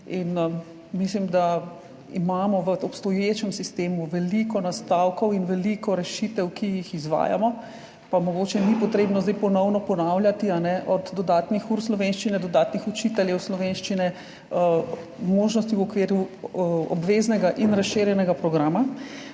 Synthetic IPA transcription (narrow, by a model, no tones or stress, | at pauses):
in | mislimd̪a | ḭmaːmɔʋəɔpst̪ɔjet͡ʃɛmsist̪eːmuʋɛlikɔnast̪awkɔwinʋɛlikɔɾɛʃit̪ɛwkijixizʋa̰ːja̰mɔ | pamɔɡoːt͡ʃɛnipɔt̪ɾeːbnɔzd̪ɛjpɔnɔwnɔpɔnaːwljat̪ianɛʔɔd̪d̪ɔd̪aːt̪nixuɾslɔʋenʃt͡ʃinɛd̪ɔd̪aːt̪nixɔt͡ʃit̪ɛljɛwslɔʋenʃt͡ʃinɛ | moːʒnɔst̪iwɔkʋeːɾju | ɔ̰bʋeznɛɡaʔinɾasʃeːɾjɛnɛɡapɾɔɡɾaːma